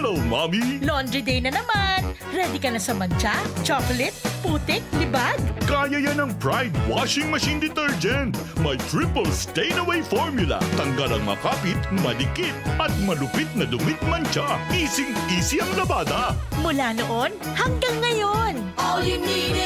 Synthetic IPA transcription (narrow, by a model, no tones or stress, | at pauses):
lowmamilond̪ɾid̪ɛjnɐnɐman | ɾɛd̪ɪkɐnɐsɐmɐnt͡ʃat͡ʃokolɛt̪̚puːt̪ɪk̚lɪbad̪̚kaːjɐjɐnɐŋpɹajd̪̚waʃɪŋmɐʃind̪ɪt̪ɛɹd͡ʒɛnt̪mɐjt̪ɹipəlst̪ɛjnɐwɛjfoɹmjʊlɐ̰t̪ɐŋɡɐlɐ̰ŋmɐ̰kaːpɪt̪mɐlɪkɪt̪̚ʔɐt̪̚mɐlʊpɪt̪̚nɐd̪ʊmɪt̪̚mɐnt͡ʃaʔiːsɪŋt̪iːsiɐŋlɐbaːt̪ɐmʊlanoʔo̞n | hɐŋɡaŋːɐjon